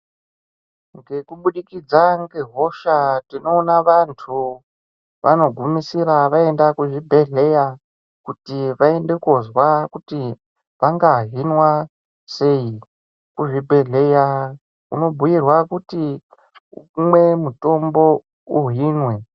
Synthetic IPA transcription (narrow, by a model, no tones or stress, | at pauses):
ŋɡe̞kuɓuɗikid͡zaŋɡe̞ɦo̞ʃatino̞ːnaʋantʰu | ʋa̰no̞ɡʱumisiraʋae̞ndakuʐibʱe̞ɮe̞ja | kutiʋae̞nde̞kozwakuti | ʋaŋɡaɦinwa | se̞i | kuʐibʱe̞ɮe̞ja | ṵno̞bʱujirwakuti | umwe̞muto̞mbo̞ | uɦinwe